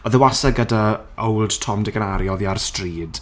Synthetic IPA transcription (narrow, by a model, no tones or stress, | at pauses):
ɔðəwasaɡəda | owlˠd̥tʰɔmdɪɡənaɾjɔðiarstriːd̥